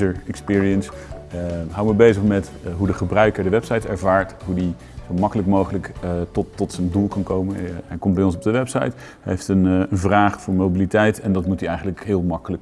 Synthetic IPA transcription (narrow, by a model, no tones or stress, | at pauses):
əɹɛkspɪːɹiəns | ɦawəməbejzəχmɛt | ɦudəχəbrœɥkəɹdəʋɛpsɑjtɛɹvaːɹtɦudi | z̥owmɑkələkmowχələktɔtːɔtsəndulˠkɑnkowmənɛjkɔmt̚bɛjɔns̬ɔb̚dəʋɛpsɑ̰jt | ejftənənvraːχfʊːɹmowbilitɛjtɛndɑtmutiɛjχənləkɦɪːlˠmɑkələk̚